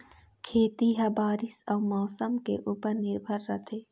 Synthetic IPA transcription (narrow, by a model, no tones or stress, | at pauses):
kʰeːt̪iɦɐbaːɾɪsɐwmɔːsəmkeʔupəɾnɪɾbʱəɾːɐt̪ʰeː